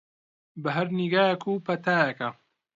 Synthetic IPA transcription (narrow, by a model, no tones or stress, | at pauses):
bɐɦɐɾniɡaːjekʰuːpʰɐt̪ʰaːjɐkɐ